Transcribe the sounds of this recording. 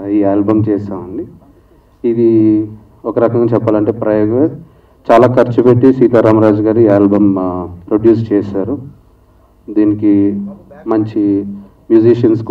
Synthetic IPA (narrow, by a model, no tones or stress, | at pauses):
iːaːlbɐmt͡ʃɛːsaːʋɐɳɖiː | d̪i | ɔkɐɾɐkɐŋɡaːt͡ʃɛpːaːlɐɳʈe̞ːpɾɐjoːɡ | t͡ʃaːlaːkɐɾt͡ʃubeʈːisʋiːt̪aːɾaːmɐɾaːd͡ʒɡaːɾiːaːlbɐmpɾoɖjuːst͡ʃɛːsaːɾu | d̪iːniki | mɐɲt͡ʃi | mjuːd͡ʒiʂɐnsk